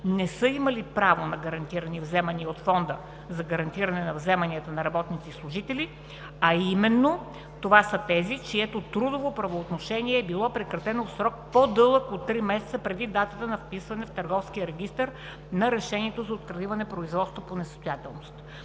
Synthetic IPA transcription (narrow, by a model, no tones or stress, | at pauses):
nɛsɤimɐlipɾavonɐɡɐɾɐnt̪iɾɐnivzɛmɐniot̪fɔnd̪ə | zɐɡɐɾɐnt̪iɾɐnɛnɐvzɛmɐniət̪ənɐɾɐbɔt̪nit̪sislˠʊʒit̪ɛlʲi | ɐimɛnːo | t̪ovasət̪ɛzit͡ʃiɛt̪ot̪ɾud̪ovopɾɐvoːt̪noʃɛniɛːbilˠɔpɾɛkɾɐt̪ɛnofsɾɔk̚pod̪ɤlˠəkot̪ːɾimɛsɛ̥t̪səpɾɛd̪id̪at̪ət̪ənɐfpisvɐnɛft̪ɐɾɡɔfsk̟ijəɾɛɡ̟ist̪əɾ | nɐɾɛʃɛniɛt̪ozɐot̪̚kɾɐlivɐnɛpɾoizvɔt̪st̪voponɛsə̥st̪ojat̪ɛlˠnost̪